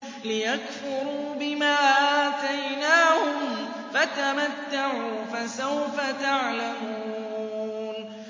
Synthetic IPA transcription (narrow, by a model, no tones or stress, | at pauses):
lɪjakfʊɾuːbɪmaːʔaːt̪ajnaːhʊm | fat̪amat̪ːaʕuːfasawfat̪aʕlamuː | n